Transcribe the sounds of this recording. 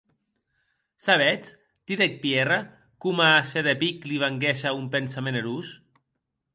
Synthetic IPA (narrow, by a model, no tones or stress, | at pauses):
saβɛt͡s | t̪iðek̚pjera | kumaːseðepikliβaŋɡɛʃaumpensameneɾus